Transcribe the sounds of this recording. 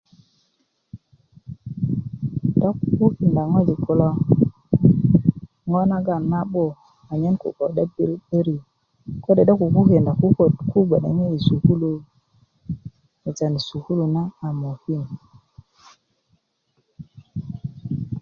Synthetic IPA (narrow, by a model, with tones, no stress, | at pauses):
da˦ku˨ku˦hi˨nda˨ŋo˦d͡ʒi˨kʰo˨lo˦ | ŋo˦na˦ɡa˨nma˦ɓo˦ | a˨ɲe˦nkṵ˨ko˨ɗa˦bɾi˦be˦ɾi˨ | ko˦de˨ɗa˦ku˨ku˦ki˨nda˨ku˦ko˨dku˦ɡ͡ba˨ɗa̰˨ŋe˦i˨su˨hu˦lu˨ | e˨d͡ʒa˨ni˨su˨hu˦lu˨na˦a˨mo˨hi˦˨n